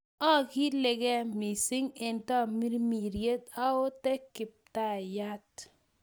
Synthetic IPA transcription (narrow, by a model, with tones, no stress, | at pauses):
ɔ˦˨kɪ˦le˨ɡɛ˦mi˨sɪ˦ŋɛ˨ntɔ˦˨mi˦ɾmi˨ɾje˦t̪a˦o˦tɛ˦kɪ˨p̚ta˦˨ja˦t